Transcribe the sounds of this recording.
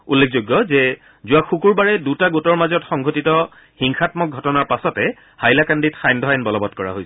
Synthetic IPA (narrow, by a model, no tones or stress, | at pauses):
ulːekʰzoɡːɔzɛ | zʊwaxukuɹbaɹɛdutaɡutɔɹmazɔtxɔŋɡʱotitɔ | xiŋxʰatmɔk̚ɡʱɔtɔnaɹpasɔtɛ | hajlakanditxajndʱɔɦajnbɔlɔbɔtkɔɹa̰ɦojsɛ̥